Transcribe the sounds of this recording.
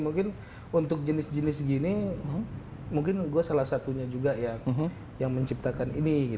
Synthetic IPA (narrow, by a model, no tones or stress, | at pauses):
muŋkɪn | unt̪ʊk̚d͡ʒənɪsd͡ʒənɪsɡini | muŋkɪnɡuasalahsat̪uɲad͡ʒuɡaja | jaŋməɲt͡ʃip̚t̪akaniniɡi